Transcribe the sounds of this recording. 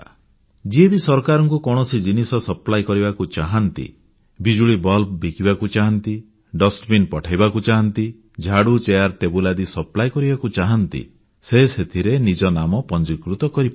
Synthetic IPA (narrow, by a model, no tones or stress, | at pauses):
d͡ʒiebisɔɾkaɾɔŋkukɔɽ̃ɔsid͡ʒinisɔsɔplajkɔɾibakut͡ʃaɦant̪ḭ | bid͡ʒuɭibɔlp̚bikibakut͡ʃaɦɔnt̪i | ɖɔsʈbinpɔʈʰajbakut͡ʃaɦɔnt̪i | d͡ʒʱaɽut͡ʃejaɾʈebulad̪isɔplajkɔɾibakut͡ʃaɦɔnt̪ḭ | seset̪ʰiɾenid͡ʒɔnamɔpɔnd͡ʒikɾut̪ɔkɔɾipa